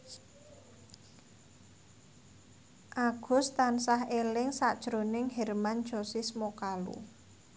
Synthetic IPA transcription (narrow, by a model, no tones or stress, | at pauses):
ʔaɡ̥ʊ̤st̪ansaɦelɪŋsaʔd̥ʒ̥ɾonɪŋɦɛrmand̥ʒ̥ɔsismokalṵ